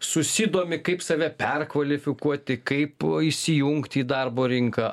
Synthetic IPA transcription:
sʊsʲid̪oːmʲɪkɐɪpsɐʋʲɛpʲɛrkʋɐlʲɪfʲɪkuɔt̪ʲɪkɐɪpɪʃsʲɪjuŋkt̪ʲiːd̪ɐrboːɾʲɪŋkɐ

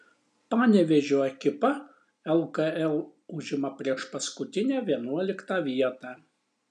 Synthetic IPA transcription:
pɑːnʲɛʋʲɛʒʲoɐkʲɪpɐ | ɛlˠkɐɛlˠʊʒʲɪmɐpʲɾʲiɛʃpɐskʊt̪ʲɪnʲæːʋʲiɛnuɔlʲɪkt̪ɑːʋʲiɛt̪ɑː

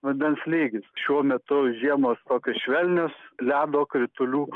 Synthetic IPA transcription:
ʋɐnʲd̪ʲɛnslʲeːɡʲɪsʃʲuɔmʲɛt̪ʊʒʲiɛmoːst̪oːkʲosʃʲʋʲɛlʲnʲoːslʲæːd̪oːkɾʲɪt̪ʊlʲuː

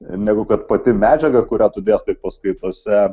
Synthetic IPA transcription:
nʲæɡʊkɐt̪̚pɐt̪ʲɪmʲæːd͡ʒʲɛɡɐkʊɾʲæt̪ʊd̪ʲeːst̪ɐɪp̚pɐskʊɪt̪oɔsʲɛ

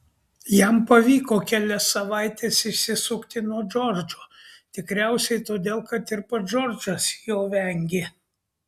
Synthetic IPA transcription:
jɛmpɐʋʲiːkoːkʲælʲɛsːɐʋɑˑɪt̪ʲeːsɪʃʲsʲɪsʊkt̪ʲɪnuɔd͡ʒɔɾd͡ʒoːt̪ʲɪkɾʲæˑʊsʲɛɪt̪oːd̪ʲeːlˠkɐt̪ɪɾpɐd͡ʒɔɾd͡ʒɐsjoːʋʲɛŋʲɡʲɪ

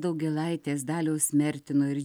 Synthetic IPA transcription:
d̪ɐʊɡʲɛlˠɐɪt̪ʲeːsd̪ɑːlʲoːsʲmʲɛɾʲt̪ʲɪnoːɪɾj

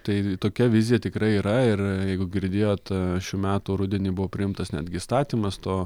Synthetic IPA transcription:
t̪ɐɪt̪oːkʲɛʋʲɪzʲɪjɛt̪ʲɪkɾɐɪiːɾɐɪrjɛɪɡʊɡʲɪɾʲd̪ʲeːjoːt̪ʃʲuːmʲæːt̪uːɾʊd̪ʲeɛnʲiːbʊʋoːpʲɾʲɪɪmt̪ɐsnʲæ̰d̪ɡʲɪst̪ɑːt̪ʲiːmɐst̪oː

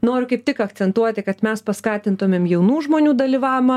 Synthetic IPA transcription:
noːɾʲʊkɐɪp̚t̪ʲɪkɐk̪t͡s̪ʲɛnt̪uɔt̪ʲɪkɐt̪mʲɛspɐskɑːt̪ʲɪnt̪ʊmʲeːmjɛʊnuːʒmoːnʲuːd̪ɐlʲiʋɑːʋʲmɐ

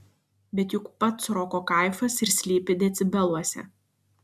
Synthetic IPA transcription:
bʲɛt̪jʊkpɐt̪sɾɔːkoːkɐˑɪfɐsɪɾsʲlʲiːpʲɪd̪ʲɛt̪sʲɪbʲɛlˠuɔsʲɛ̰

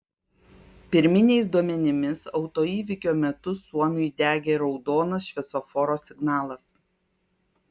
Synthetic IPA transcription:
pʲɪɾʲmʲɪnʲɛɪsd̪uɔmʲɛnʲɪmʲɪsɒʊt̪oːiːʋʲɪkʲoːmʲɛt̪ʊsuɔmʲʊjd̪ʲæːɡʲeːɾɒʊd̪oːnɐsʃʲʋʲɛsɔfɔɾoːsʲɪɡnɑːlˠɐs

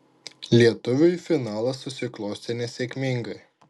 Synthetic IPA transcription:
lʲiɛt̪ʊʋʲʊjfʲɪnɑːlˠɐsʊsʲɪklˠɔʊsʲt̪ʲenʲɛsʲɛkʲmʲɪŋɡɐɪ

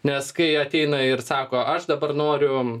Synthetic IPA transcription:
nʲɛskɐɪɐt̪ʲɛɪnɐɪrsɑːkoːʔɐʃd̪ɐbɐrnoːɾʲʊ

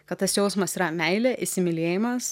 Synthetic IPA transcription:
kɐt̪̚t̪ɐsjɛʊsmɐsiːɾɐmʲɛɪlʲeːʔɪʃʲsʲɪmʲɪlʲeːjɪmɐs

